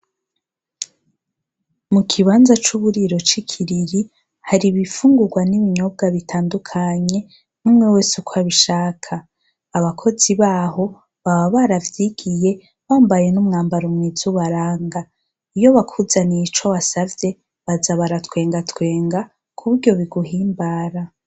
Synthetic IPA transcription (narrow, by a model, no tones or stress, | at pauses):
mukʰiβaːnzat͡ʃuβuɾiɾo̞t͡ʃikʰiɾiɾi | haɾiβifuːŋɡuɾɡwaniβiɲo̞b̚ɡaβitʰaːndukʰaɲe̞ | numŋe̞weːsukʰwaβiʃaːkʰaː | βakʰo̞ziβaːho̞ | βaβaβaɾavjiɡ̥ije̞ | βaːmbaje̞numŋaːmbaɾomŋizuβaɾaːŋɡa | ijo̞βakʰuzanit͡ʃoβasavje̞ | βazaβaɾatwe̞ːŋɡatwe̞ːŋɡa | kʰuβuɾɟo̞βiɡuɦiːmbaːɾa